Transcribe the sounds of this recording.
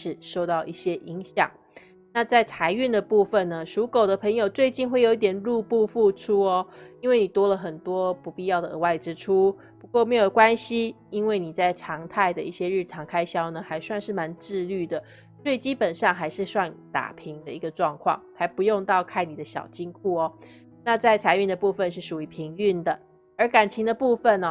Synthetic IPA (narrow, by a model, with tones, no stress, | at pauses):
ʂɻ̩˨˩ʂo˥˧ʊt̪ɑ˥˧ʊʔi˥˩ɕjɛ˦˥ʔi˧˥ŋɕjɑ̰˨˩˦ŋ | na˥˧t͡sa˥˩ɪt͡sʰa˧˥ɪy˥˩nd̪ə˩pu˥˩fə˨˩nə˩ʂu˨˧˥ko˨˩ʊd̪ə˦pʰɤ˧˥ŋjo˨ʊt͡swe˥˧ɪt͡ɕi˥˧nxwe˥˩jo˧˦i˥˩t̪jɛ˨˩nlu˥˧pu˥˧fu˥˧ʈ͡ʂʰu˥ɔ˧i˥nwe˥˩ɪni˨˩t̪wɔ˥lə˨xə˨˩nt̪wɔ˥pu˧˥pi˥˧jɑ˥˩ʊd̪ə˩ə̰˧˦wa˥˩ɪʈ͡ʂɻ̩˥ʈ͡ʂʰu˥ | pu˧˥kwɔ˥˩me˧˥ɪjo˨˩ʊkwa˦˥nɕi˧ | i˥nwe˥˩ɪni˨˩t͡sa˥˩ɪʈ͡ʂʰɑ˧˥ŋt̪ʰa˥˩ɪd̪ə˩i˥˩ɕjɛ˦˥ɻɻ̩˥˩ʈ͡ʂʰɑ˧˥ŋkʰa˥ɪɕjɑ˥ʊnə˨xa˧˥ɪswa˥˧nʂɻ̩˥˩ma˧˥nʈ͡ʂɻ̩˥˧ly˥˩d̪ə˩ | swe˥˩i˨˩t͡ɕi˥pə˨˩nʂɑ˥˩ŋxa˧˥ɪʂɻ̩˥˧swa˥˩ŋt̪a̰˨˩pʰi˧˥ŋd̪ə˧i˧˥ɡə˧ʈ͡ʂwɑ˥˧ŋkʰwɑ̰˥˩ŋxa˧˥ɪpu˧˦jo˥˧ŋt̪ɑ˥˧ʊkʰa˥˩ɪni˨˩d̪ə˦ɕjɑ̰˨˩ʊt͡ɕi˥ŋkʰu˥˩ɔ˨˩ | na˥˧t͡sa˥˩ɪt͡sʰa˧˥ɪy˥˩nd̪ə˩pu˥˧fə˨nʂɻ̩˥˩ʂu˨˩i˧˥pʰi˧˥ŋy˥˩nd̪ə˩ | ə˞˨˧˥ka˨˩nt͡ɕʰi˧˥ŋd̪ə˧pu˥˧fə˨˩nɔ˨˩